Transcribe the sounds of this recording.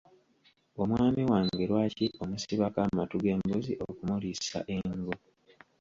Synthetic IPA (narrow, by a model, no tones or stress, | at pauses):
o̞mwaːmiwaːŋɡeɾwaːciʔomusiβakaːmatuɡe̞ːmboziʔo̞kumulisa̰ʔe̞ŋɡo